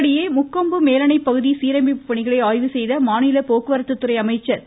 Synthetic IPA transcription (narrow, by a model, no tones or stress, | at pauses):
ɽɪjeːmʊkːɐmbɯmeːlɐɳɐɪpːɐɣɯðisiːɾɐmbipːɐɳɪɣɐɭɐɪaːjʋɯsɛjðɐmaːnɪlɐpoːkɯʋɐɾɐt̪ːɯt̪ːɯɾɐɪɐmɐɪt͡ʃːɐɾ